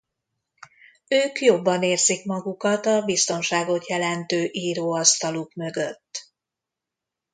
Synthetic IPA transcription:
øːkjo̞bːɒneːrzikmɒɡukɒt̪ɒbist̪o̞nʃaːɡo̞t̪jɛlɛnt̪øːʔiːɾoːɒst̪ɒlukmø̞ɡøt̪ː

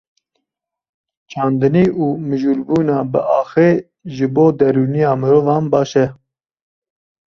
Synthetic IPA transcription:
t͡ʃʰɑːnd̪ɨniːʔuːmɨʒuːlbuːnɑːbɨʔɑːxeː | ʒɨboːd̪ɛɾuːnijɑːmɨɾoːvɑːnbɑːʃɛ

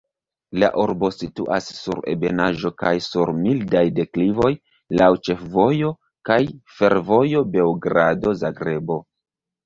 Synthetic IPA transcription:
la̰ʔuɾbo̞sitṵʔa̰sːṵɾe̞̰be̞naʒo̞kajsuɾmildajde̞klivo̞j | lawt͡ʃe̞fvo̞jo | kajfe̞ɾvo̞jo̞be̞wɡɾado̞zaɡɾe̞bo̞

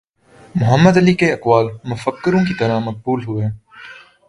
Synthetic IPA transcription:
mʊɦəmːəd̪ɐlikeɐkwaːlmʊfəkːəɾõkit̪ɐɾamɐk̚buːlɦʊeː

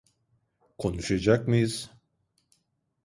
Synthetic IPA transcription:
kʰonuʃed͡ʒak̚miz

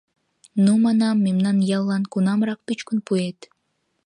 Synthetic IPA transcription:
numɑnɑmːemnɑnjɑlˠːɑnkunɑmɾɑq̚pyt͡ʃkynpuet̪

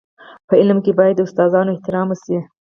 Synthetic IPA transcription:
pəɪlmkebɑjad̪ːəʊst̪ɑzɑnoɪht̪ɪɾɑməsi

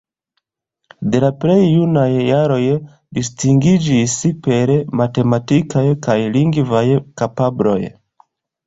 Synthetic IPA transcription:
de̞laple̞jːunajːaɾo̞j | distiŋɡid͡ʒispe̞ɾmate̞matikajkajliŋɡvajkapablo̞̰j

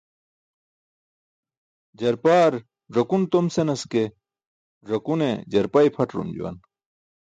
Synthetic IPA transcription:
d͡ʑɐɾpaːɾ | ʐɐkunt̪omsenɐske | ʐɐkunḛd͡ʑɐɾpaipʰɐʈɾṵmd͡ʑṵwɐ̰n

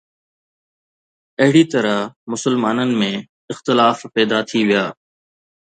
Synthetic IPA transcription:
ɐɦɪɽit̪ɐɾəɦmʊsəlmaːnənɪ̆mẽ | ɪxt̪ɪlaːfpɛːd̪at̪ʰiʋijaː

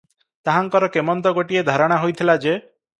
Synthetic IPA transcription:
t̪aɦaŋkɔɾɔkemɔnt̪̬ɔɡoʈied̪ʱaɾɔɽ̃aɦojt̪ʰilad͡ʒe

